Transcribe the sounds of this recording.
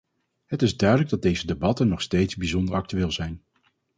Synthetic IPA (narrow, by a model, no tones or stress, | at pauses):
ɦətɪzdœɥdələɡ̚dɑdejzədebɑtənɔχstejtzbizɔndəɹɑk̚tyʋɪːlˠzɛjn